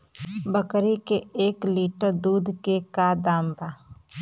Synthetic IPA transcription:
bəkɾikeeːkliːʈəɾd̪uːd̪ʱkekad̪aːmbaː

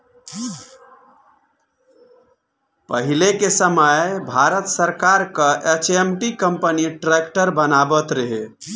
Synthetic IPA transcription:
pəɦilekesəməjbʱaɾət̪səɾkaɾkəʔet͡ʃʰemʈikəmpəniʈɾekʈəɾbənabət̪ɾəɦe

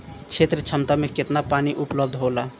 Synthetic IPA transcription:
t͡ʃʰet̪ɾət͡ʃʰəmt̪ameket̪napaniʔupləb̚d̪ʱɦola

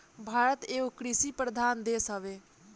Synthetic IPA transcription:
bʱaːɾət̪eːokɾisipɾəd̪ʱaːnd̪eːsəʋeː

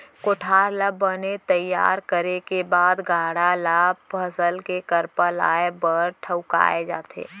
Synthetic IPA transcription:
koʈʰaːɾləbːənet̪əjːa̰ːɾkəɾekebaːd̪ɡʱaːɽalaːb̚pʰəsəlkekəɾpəla̰ːebəɾʈʰəʊka̰ːed͡ʒa̰ːt̪ʰḛː

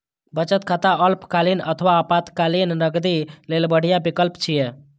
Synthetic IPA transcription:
bət͡ʃət̪kʰat̪aəlpkalinə̰t̪ʰʋapat̪kalinːəɡd̪ilelbəɽ̤ijabikəlpt͡ʃʰije

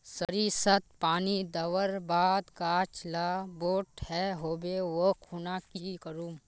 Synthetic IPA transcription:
səɾisət̪̚paːnid̪ɐʋəɾbaːd̪kaːt͡ʃlaːboːʈhɛɦoːbeʋokʰuːnakikəɾuː

